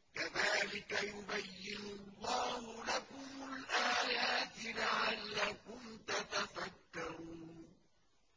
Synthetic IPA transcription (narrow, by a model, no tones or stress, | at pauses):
kaðaːlɪkajʊbajːɪnʊlˤːɑːhʊlakʊmʊlʔaːjaːt̪ɪlaʕalːaːkʊnt̪at̪afakːaɾuːn